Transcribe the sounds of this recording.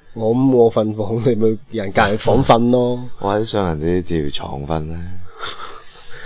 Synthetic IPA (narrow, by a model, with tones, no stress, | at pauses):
ŋɔː˨˧m̩˨˦ŋɔː˨˧fɐ˧nfɔː˨˥ŋle˨˧mo˨˧ɥjɐ˨˩nkaː˨˧˨fɔː˨˥ŋfɐ˧nlɔː˥ʔɔ̰ː˨˧hɐ˨˥jsœː˨˧ŋjɐ˨˩nt̪iː˨˥t̪iː˨˧˩wt͡ʃʰɔ̰ː˨˩ŋfɐ˧nlɛː˥